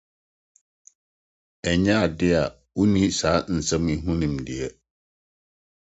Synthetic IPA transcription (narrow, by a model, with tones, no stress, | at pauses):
ɛ˨ɲã˦a˨dɪ˦a˨ | wo˦nĩ˦saː˨˦n̩˨sɛ̃˦mĩ˨˦ɦũ˦nĩ˨mdɪ˨ɛ˦